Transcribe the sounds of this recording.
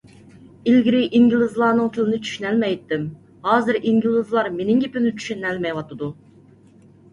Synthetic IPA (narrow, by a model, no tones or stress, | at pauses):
ilɡʲiɾɪʔiŋɡʲilˠɨzlˠɑːnɨŋt̪ʰɪlɪnɪt͡ʃʰy̥ʃynɛlmɛjt̪ːɪm | hɑːzɨɾiŋɡʲilˠɨzlˠɑɾmenɪŋɡʲepynyt͡ʃʰy̥ʃynɛlmɛjwɑt̪ɨd̪u